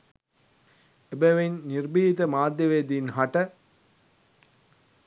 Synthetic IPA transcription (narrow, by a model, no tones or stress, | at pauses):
ebeʋenːirbiːt̪əmaːd̪jɐʋeːd̪inɦaʈə